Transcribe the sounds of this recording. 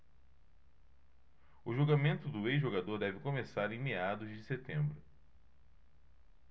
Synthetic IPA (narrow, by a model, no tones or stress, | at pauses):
ʊʒoɡamẽnt̪ʊd̪ʊejzʒoɡad̪oɾd̪ɛvɪkõmesaɾẽj̃mead̪ʊzd͡ʒɪset̪ẽmbɾʊ